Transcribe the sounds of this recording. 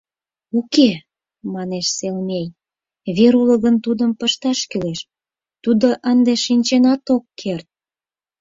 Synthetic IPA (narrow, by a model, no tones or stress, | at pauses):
uke | mɑneʃselmej | βeɾuləɣənt̪ud̪əmpəʃt̪ɑʃkyleʃ | t̪ud̪oʔənd̪eʃinʲt͡ɕenɑt̪okːʰert̪̚